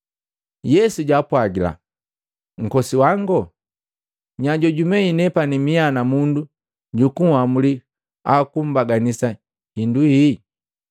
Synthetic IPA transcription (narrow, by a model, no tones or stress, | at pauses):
jɛsuɟaːpwaɡila̰ | ŋ̩kɔsiwaŋɡɔ | ɲaɟɔɟumɛinɛpanimianamundu | ɟukuamuli | akum̩baɡanisa | hinduhi